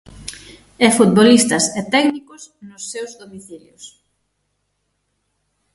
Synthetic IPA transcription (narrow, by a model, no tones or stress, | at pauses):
ɛfut̪βolist̪ɐsɛt̪ɛknikʊsnʊsːewzðomiθiljos